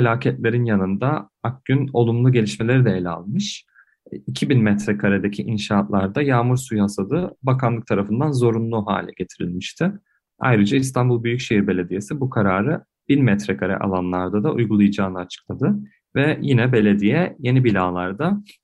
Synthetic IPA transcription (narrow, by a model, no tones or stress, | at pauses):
felʲaːcʰɛt̪lʲe̞ɾinjanɯnd̪a | ak̚ɟ̥yno̞lˠumlˠuɟe̞lʲiʃme̞lʲe̞ɾid̪ɛelʲa̰lˠmɯʃ | icʰibinmɛt̪ɾɛkʰaɾed̪e̞cʰiʔinʃaːt̪lˠaɾd̪ajaːmuɾsujhasad̪ɯbakʰanlˠɯk̚t̪ʰaɾafɯnd̪anzo̞ɾunlˠuɦa̰ːlʲɛ̰ɟe̞t̪ʰiɾḭlʲmiʃt̪ʰɪ | a̰jɾɯd͡ʒaist̪ʰanbulˠbyjycʃeɦiɾbe̞lʲe̞d̪ije̞sibukʰaɾaːɾɯ | b̥inmɛt̪ɾɛkʰaɾɛ̰ʔa̰lˠanlˠaɾd̪ad̪aʔujɡulˠajad͡ʒaːnaːt͡ʃʰɯ̥klˠad̪ɯ | vɛjinɛbe̞lʲe̞d̪ijɛje̞nibilʲaːlˠaɾd̪a